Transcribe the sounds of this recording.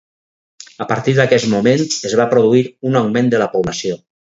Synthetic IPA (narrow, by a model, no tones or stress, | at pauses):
əpaɾt̪iðəkɛzmumẽnsezβapɾoðuiɾunawmẽnd̪ələpuβlasio